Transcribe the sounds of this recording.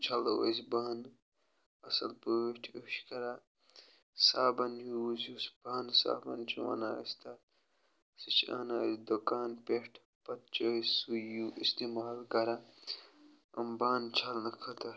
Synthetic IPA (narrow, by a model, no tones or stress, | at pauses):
t͡ʃʰɐlɐwɐ̰sbaːn | ɐsɐ̰lpəwiʈʰeʃkɐɾa | saːbɐnjuwuzusb̥aːnsa̰ːbɐ̰nt͡ʃʰuwɐ̰naːḭst̪ʰɐ | sit͡ʃʰa̰ːnaːsd̪okaːnpeʂʈʰ | pɐt̪̚t͡ʃɐsujuʔist̪eːmaːlɡɐɾa | ɐmbaːnt͡ʃʰɐlnɐkʰɐt̪ɐ